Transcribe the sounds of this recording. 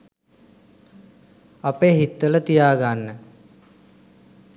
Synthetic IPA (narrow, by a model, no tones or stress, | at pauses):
apeːɦit̪ːələt̪ijaːɡanːə